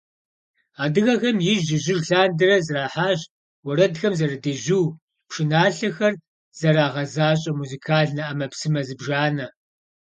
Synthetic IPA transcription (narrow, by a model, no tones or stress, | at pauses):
aːdɨɣɐxɐmjɪʒɪʒɪɮɬaːndɨrɐzraːħaːʑ | wɐɾɐdxɐmzɐɾɐdeːʒɪw | pʂɨnaːɬɐxɐr | z̥ɐɾaːʁɐzaːɕʼɐmuzikʰaːɮnɐʔɐmɐpsɨmɐzɨbʒaːnɐ